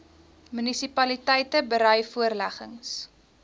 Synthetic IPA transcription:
mynisipɐlitɛjtəbəɾœjfuərlæχəŋs

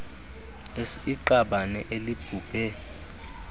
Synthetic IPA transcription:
esiǃaɓanɛ̰ʔelib̥ʱuːb̥ʱɛ

